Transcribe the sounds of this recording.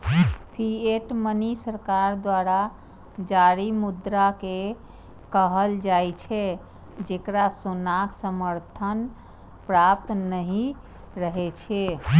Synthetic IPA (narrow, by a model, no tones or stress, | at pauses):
pʰieʈmənisəɾkaɾd̪waɾa | d͡ʒaɾimud̪ɾake | kəɦəld͡ʒajt͡ʃʰɛ | d͡ʒekɾasonaksəməɾt̪ʰən | pɾap̚t̪ːəɦi | ɾəɦɛt͡ʃʰɛ